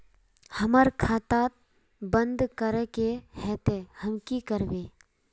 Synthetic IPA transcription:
həməɾkʰaːt̪at̪̚ | bə̃nd̪kəɾɛkehɛt̪ehəmkikəɾbeː

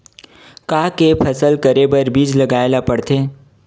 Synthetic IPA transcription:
kaːkepʰɐsəlkɐɾebɐɾbiːd͡ʒlɐɡaːelapɐɽt̪eː

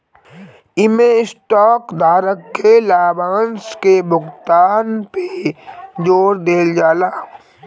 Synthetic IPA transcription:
ɪmẽɪsʈɔːkd̪ʱaːɾəkːelaːbaːnskebʱʊɡt̪aːnpe | d͡ʒoːɾd̪eːld͡ʒaːlaː

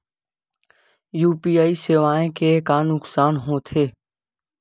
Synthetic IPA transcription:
juːpiːaːiːseːʋaːẽːkeːkaːnʊksaːnɦõːt̪ʰeː

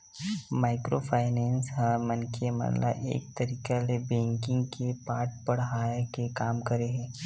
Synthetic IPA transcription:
maːɪkɾopʰaːɪnɛ̃ːnsɦɛ̃mənkʰemə̰nla̰ʔḛːk̚t̪əɾiːkalebɛ̃ːŋkɪ̃ŋɡkepaːɾʈ̚pəɽɦaːjekekaːmkəɾeɦɛ̃ː

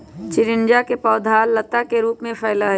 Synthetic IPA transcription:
t͡ʃɪɾɪnd͡ʒakepɔːd̪ʱaːlːət̪akeɾuːpmẽpʰəːlaɦ

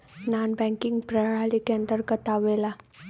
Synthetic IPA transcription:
nanbɛ̃ŋkiŋɡpɾəɽalikeənd̪əɾkət̪aʋela

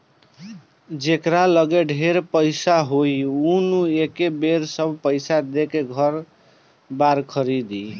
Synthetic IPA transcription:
d͡ʒekɾaləɡeɖʱeɾpəɪsaɦojunuekebeɾsəbʱpəɪsad̪ekeɡʱəɾ | baɾkʰəɾid̪i

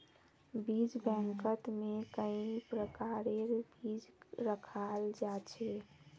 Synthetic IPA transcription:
bid͡ʒbɛ̃ŋkət̪mẽkəĩpɾəkaːɾeɾbiːd͡ʒɾəkʰald͡ʒat͡ʃʰe

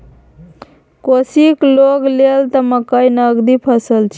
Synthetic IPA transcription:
kosikloɡlelt̪əməkəjnəɡd̪ipʰəsəlt͡ʃʰ

